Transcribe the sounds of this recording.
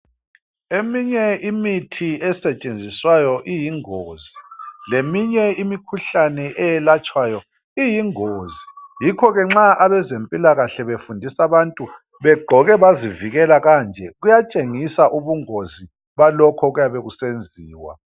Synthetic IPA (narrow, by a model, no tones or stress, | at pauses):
emiɲɛimitʰiɛsɛt͡ʃʼend͡zʱiswajɔʔijiŋoːzilemiɲɛimikʰuɬanɛʔɛjɛlat͡ʃʼwajɔ | ijiŋoːzijikʰɔɣɛŋ͡ǁaʔaβɛzempʼilaɣaɬɛβefundʱisaβantʼu | βɛɡ͡ǃʱɔɣɛβaziviɣɛlaɣaːnd͡ʒʱɛɣujat͡ʃʼeŋisaʔuβuŋozi | βalɔkʰɔɣujaβeɣusend͡zʱiːwa̰